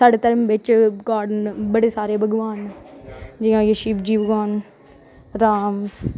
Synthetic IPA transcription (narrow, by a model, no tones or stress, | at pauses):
saːɖet̪əɾmʋɪt͡ʃɡaːɾɖənbəɽesaːɾebʱɐɡʋaːn | d͡ʒɪãːjəʃiːbd͡ʒiːbəɡaːn | ɾaːm